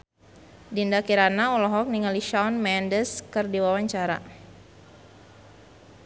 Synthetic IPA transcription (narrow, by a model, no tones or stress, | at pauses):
dindakiɾanaɔlɔɦɔk̚niŋaliʃaɔnmɛndəskɨrdiwawaɲt͡ʃaɾa̰